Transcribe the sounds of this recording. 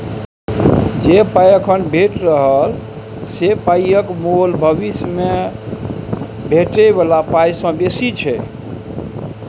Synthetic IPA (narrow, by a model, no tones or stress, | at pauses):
d͡ʒepajəkʰənbʱeʈɾəɦəl | sepajjəkmolbʱəbisme | bʱeʈebalapajsə̃besit͡ʃʰɛ